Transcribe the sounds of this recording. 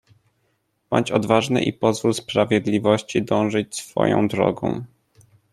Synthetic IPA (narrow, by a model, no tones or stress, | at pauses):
b̥ɔ̰ɲt͡ɕɔd̪vaʐnɘ̰ʔipɔzvulspɾavʲjɛd̪lʲivɔɕt͡ɕid̪ɔ̃w̃ʐɘt͡ɕsfɔ̰jɔ̰̃w̃d̪ɾɔ̰ɡɔ̰̃w̃